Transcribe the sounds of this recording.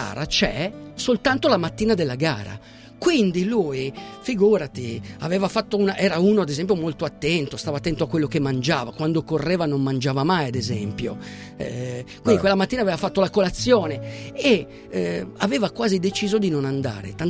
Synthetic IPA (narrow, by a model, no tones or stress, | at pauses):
a̰ːɾat͡ʃɛsolt̪ant̪olamat̪ːiːnad̪elːaɡa̰ːɾa̰ | kwind̪iluːjfiɡuːɾat̪ia̰vɛːvafat̪ːounaʔɛːɾauːnoad̪ezɛmpjomolt̪oat̪ːɛnt̪ost̪aːvat̪ːɛnt̪oakwelːokemːand͡ʒaːvakwand̪okorːɛːvanomːand͡ʒaːvamajad̪ezɛmpjo̰ | kwind̪ikwelːamat̪ːiːnavɛːvafat̪ːolakolat̪sːjoːnee | avɛːvakwaːzid̪et͡ʃiːzod̪inonand̪a̰ːɾḛt̪an